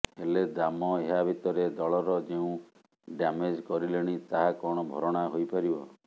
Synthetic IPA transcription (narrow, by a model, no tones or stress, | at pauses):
ɦeled̪amɔeɦabʱit̪ɔɾed̪ɔɭɔɾɔd͡ʒeũ | ɖamed͡ʒkɔɾileɽ̃it̪aɦakɔɽ̃ɔbʱɔ̰ɾɔɽ̃aɦojpaɾibɔ